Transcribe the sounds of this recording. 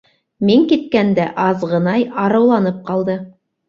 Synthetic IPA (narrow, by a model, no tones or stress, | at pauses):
miŋkit̪̚kænd̪æʔɑzʁɤ̆nɑjɑɾɤ̆wlˠɑnɤp̚qɑlˠd̪ɤ